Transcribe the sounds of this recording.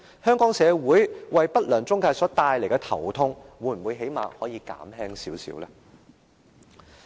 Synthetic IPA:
hœː˥ŋkɔː˨˥ŋsɛː˨˧wuː˨˥jwɐ˨jpɐ˥t̚lœː˨˩ŋt͡sʊ˥ŋkaː˧sɔː˨˥t̪aː˨˧jle˨˩jkɛ˧t̪ʰɐ̰˨˩wt̪ʰʊ˥ŋwuː˨˧˥nm̩˨mwuː˨˧jɦe˨˥jma̰ː˨hɔː˨˥jiː˨˧ka̰ː˨˥mɦɛː˥ŋsiː˨˥wsḭː˨˧˥wlɛ˥

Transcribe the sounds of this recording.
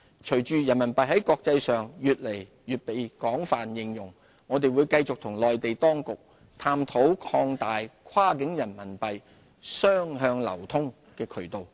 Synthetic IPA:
t͡ʃʰɵ˨˩ɥt͡ʃyː˨jɐ˨˩nmɐ˨˩npɐ˨jɦɐ˨˥jkɔː˧k̚t͡sɐ˧jsœː˨ŋjyː˨t̚le˨˩j | jyː˨t̚pe˨jkɔː˨˥ŋfaː˨njɪ˨ŋjʊ˨˩ŋː | ɔː˨˧t̪e˨jwuː˨˧jkɐ˧jt͡sʊ˨k̚t̪ʰʊ˨˩ŋlɔː˨jt̪e˨jt̪ɔː˥ŋkʊ˨k̚ | t̪ʰaː˧mt̪ʰo˨˥wkʰɔː˧ŋt̪aː˨jkʰwaː˥kɪ˨˥ŋjɐ˨˩nmɐ˨˩npɐ˨j | sœː˥ŋɦœː˧ŋlɐ̰˨˩wt̪ʰʊ˥ŋ | kɛː˧kʰɵ˨˩t̪o˨w

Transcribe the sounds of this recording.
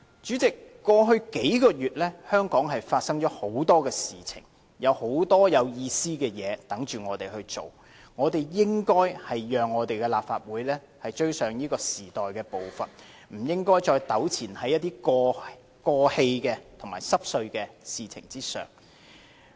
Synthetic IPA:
t͡ʃyː˨˥t͡sɪ˨kːɔː˧ɦɵ˧ɥke˨˥jkɔː˧jyː˨t̚lɛː˥hœː˥ŋkɔː˨˥ŋɦɐ˨jfaː˧t̚sɐ˥ŋt͡ʃɔː˨˥ho˨˥wt̪ɔː˥kɛː˧siː˨˩t͡sʰɪ̰˨˩ŋ | jɐ˨˧who˨˥wt̪ɔː˥jɐ˨˧wjiː˧siː˥kɛː˧jɛː˨˧t̪ɐ˨˥ŋt͡ʃyː˨˩ŋɔː˨˧t̪e˨jhɵ˧ɥt͡ʃo˨w | ŋɔː˨˧t̪e˨jjɪ˥ŋkɔː˥jhɐ˨jjœː˨ŋːɔː˨˧t̪e˨jkɛ˧laː˨p̚faː˧t̚wuː˨˥jlɛː˥ | hɐ˨jt͡ʃɵ˥ɥsœː˨˩ŋjiː˥kɔː˧siː˨˩t̪ɔː˨jkɛː˧po˨wfɐ˨n | m̩˨˩jɪ˥ŋkɔː˥jt͡ʃɔː˧jt̪ɐ˨˥wt͡sʰiː˨˩nhɐ˨˥jːɐ˥t̪ːiː˥kɔ˧ | kɔː˧he˧jkɛː˧t̪ʰʊ˨˩ŋma̰ː˨˩jsɐ˥p̚sɵ˧ɥkɛː˧siː˨t͡sʰɪ̰˨˩ŋt͡siː˥sœ̰ː˨˩ŋ

